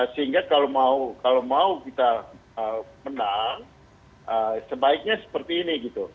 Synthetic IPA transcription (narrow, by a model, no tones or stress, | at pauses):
səɦiŋɡakalomaukalomaukit̪aəmənaŋ | əsəbaɪk̚ɲasə̥pərt̪iːniɡit̪u